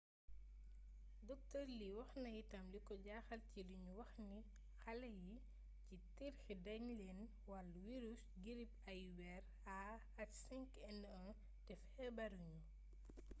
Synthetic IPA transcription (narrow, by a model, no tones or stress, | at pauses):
dɔk̚tɔɾliwɐxnɐjitɐmlikɔɟaːxɐlciliɲuwɐxni | xɐlɐji | citiɾxidɛŋlɛn | wɐlwiɾusɡiɾipɐjwɛɾ | a | ɐksɛŋkɛnːɔn | tɛfhɛbɐɾuɲu